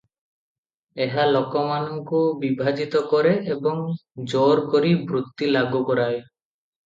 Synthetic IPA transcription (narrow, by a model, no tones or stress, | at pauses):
eɦalokɔmanɔŋkubibʱad͡ʒit̪ɔkɔɾeʔebɔŋd͡ʒoɾkoɾibɾut̪ːilaɡukɔɾaj